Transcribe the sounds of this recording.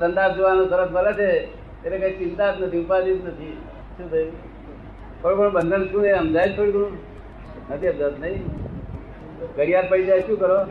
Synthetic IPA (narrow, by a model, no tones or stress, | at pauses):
sənt̪ap̚d͡ʒəʋanot̪əɾəpʰməlat͡ʃʰe | t̪eɾekait͡ʃɪnt̪at̪nət̪ʰiupad͡ʒit̪nət̪ʰi | ʃũːt̪ʰəju | koɭkəɳũbənd̪ʱənʃũnəiəmd͡ʒajd͡ʒt̪ʰoɽikoɽ̃ũ | nət̪ʰiəbd͡ʒət̪nəĩ | ɡəɽijat̪̚pəɽid͡ʒajʃũkəɾo